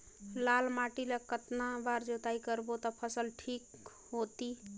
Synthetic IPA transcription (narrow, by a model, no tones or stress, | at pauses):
lalmaʈilekət̪nabaɾd͡ʒot̪aikəɾbot̪ɔpʰəsəlʈʰik | ɦot̪i